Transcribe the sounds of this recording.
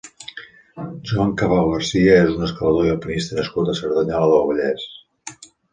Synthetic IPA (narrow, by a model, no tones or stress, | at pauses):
ʒuaŋkaβalɣəɾsiəezunəskaləðoiəlˠpənist̪ənəskut̪əsəɾðaɲaləðolˠβəʎɛs